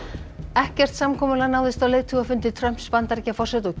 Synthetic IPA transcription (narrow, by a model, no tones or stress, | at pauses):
ɛhcɛr̥t̪samkʰɔːmʏlanaːwðɪst̪awleːjðt̪ʰuafʏnt̪ɪt̪ʰɾœm̥pspant̪aɾcafɔr̥sɛt̪ɔ